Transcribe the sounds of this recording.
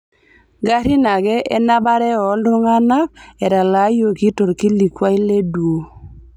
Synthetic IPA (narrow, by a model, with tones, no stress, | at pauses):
ɡa˦ɾi˦na˨ɡɛ˦ʔe˦na˦ba˦ɾɛ˦ɔ˨˦ldʊ˦ŋa˦na˦k̚ɛ˨ɾa˨la˨˦jo˨ki˦to˨ɾki˦li˨kwa˦i˦le˦dwo˨